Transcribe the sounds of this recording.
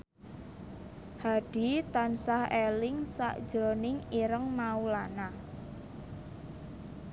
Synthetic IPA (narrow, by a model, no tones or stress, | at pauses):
had̥i̤t̪ansahelɪŋsa̰ʔd̥ʒ̥ɾonɪŋiɾəŋmaulana